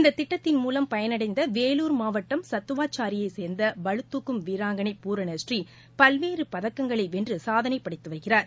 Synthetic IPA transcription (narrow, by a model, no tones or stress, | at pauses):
ɪnd̪ɐt̪ːɪʈːɐt̪ːɪnmuːlɐmpɐjɐnɐɽɐɪnd̪ɐʋeːluːɾmaːʋɐʈːɐmsɐt̪ːɯʋaːt͡ʃːaːɾɪjɐɪseːɾnd̪ɐʋɐɻɯt̪ːukːɯmʋiːɾaːŋɡɐɳɐɪpuːɾɐneːsʈri | pɐlʋeːɾɯpɐðɐkːɐŋɡɐɭɐɪʋɛndrɯsaːðɐnɐɪpːɐɽɪt̪ːɯʋɐɾɣɪraːɾ